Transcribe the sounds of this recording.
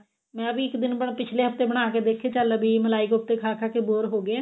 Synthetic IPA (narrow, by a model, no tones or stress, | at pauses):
mɛ̃ːəbiːɪkd̪ɪnbəpɪt͡ʃʰleːɦəft̪eːbəɽ̃aːkeːd̪eːkʰːeːt͡ʃəlbiːməlaːɪkʊp̚t̪eːkʰaːkʰaːkeːboːɾɦoːɡeeː